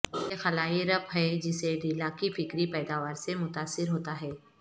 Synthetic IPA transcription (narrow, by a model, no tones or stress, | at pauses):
exɐlaːɦiɾɐpɦɛd͡ʒɪseɖiːlãkifɪkɾipɛːd̪aːʋaːɾsemʊt̪aːsːɪɾɦoːt̪aɦɛː